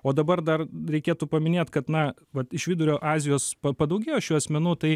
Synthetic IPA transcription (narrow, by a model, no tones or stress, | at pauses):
oːd̪ɐbɐrd̪ɐrɾʲɛɪkʲeːt̪uːpɐmʲɪnʲeːt̪kɐt̪nɐ | ʋɐt̪ɪʃʋʲɪd̪ʊɾʲoːʔɑːzʲɪjoːspɐpɐd̪ɐʊɡʲeːjoːʃʲuːɐsʲmʲɛnuːt̪ɐɪ